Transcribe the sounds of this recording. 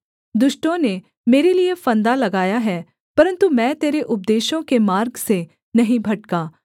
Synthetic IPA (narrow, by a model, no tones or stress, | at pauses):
d̪ʊʃʈõne | meːɾeliefɐ̃nd̪alɐɡaːjaɦɛː | pɐɾə̃nt̪umɛ̃ːt̪eːɾeʔʊp̚d̪eːʃõkemaːɾɡse | nɐɦĩbʱɐʈkaː